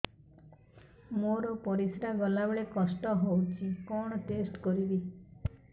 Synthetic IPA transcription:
moɾɔpɔɾisɾaɡɔlabeɭekɔsʈɔɦowt͡ʃʰikɔɽ̃ɔʈesʈkɔɾibi

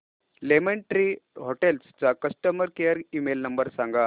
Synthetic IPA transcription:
lemeɳʈɾiːɦoʈelst͡sakəsʈəməɾkejəɾimelnəmbəɾsãŋɡa

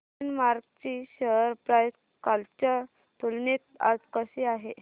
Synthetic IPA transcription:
nmaɾɡt͡ɕiːɕəɾpɾajs | kalt͡ɕa | t̪ulnet̪̚a̰d͡zkəɕiaɦe

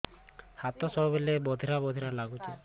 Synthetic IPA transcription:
hat̪ɔsɔɔbelebɔd̪ʱiɾabɔd̪ʱiɾalaɡut͡ʃʰi

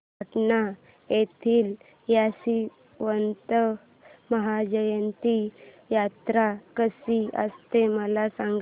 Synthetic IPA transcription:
ʈna | jet̪ʰiːl | jasi | ʋənt̪ə | məɦad͡ʑəjənt̪i | jat̪ɾakəsiə̰st̪eməlasãŋɡ

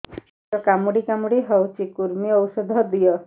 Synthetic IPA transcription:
ɔkamuɽikamuɽiɦɔwt͡ʃikuɾmiɔwsɔd̪ʱɔd̪ijɔ

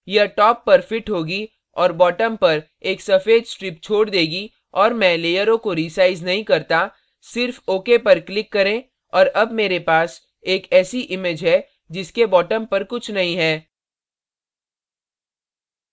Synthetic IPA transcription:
jɐɦʈɔːpːɐɾfɪʈɦoːɡi | ɔːɾbɔːʈəmpɐɾ | eːksɐfeːd̪sʈɾɪpt͡ʃʰoːɽd̪eːɡi | ɔːɾmɛ̃leːjəɾõkoɾiːsaːɪznɐɦĩkɐɾt̪a | sɪɾfoːkepɐɾklɪkːɐɾẽ | ɔːɾɐbmeːɾepaːs | eːkɛːsiʔɪmeːd͡ʒɦɛ | d͡ʒɪskebɔːʈəmpɐɾkʊt͡ʃʰnɐɦĩɦɛː

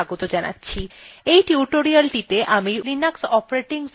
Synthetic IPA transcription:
aɡot̪od͡ʑana̰tːɕʰiejʈiuʈoɾialʈit̪eʔamiɾinaksɔpɾeʈiŋs

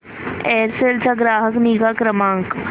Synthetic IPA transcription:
ɛːɾseːld͡ʒaɡɾaːɦəkniːɡakɾəmãːŋk

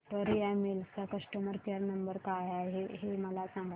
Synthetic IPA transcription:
ʈoɾiɛmelt͡ɕakəsʈəməɾt͡ɕaɾnəmbəɾkaɦaɦeɦeməlasãŋɡa

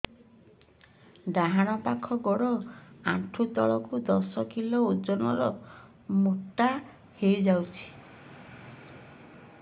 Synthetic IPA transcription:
daɦaɽ̃ɔpakʰɔɡɔɽɔaʈʰut̪ɔɭɔkud̪ɔsɔkilɔud͡ʒɔnɔ̰ɾɔ | muʈːa | hejd͡ʒawt͡ʃʰi̥

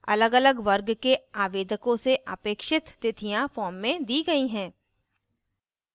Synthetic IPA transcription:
ɐ̰ləɡɐləɡʋɐɾɡkeaːʋeːd̪əkõseʔə̰peːkʃɪt̪t̪ɪt̪ʰijãfɔːmːẽd̪iːɡɐiɦɛ̃ː

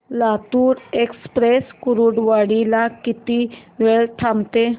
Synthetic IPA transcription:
lat̪uːɾekspɾeskuɾuɽʋaɽilakit̪iʋeɭʈʰamt̪e

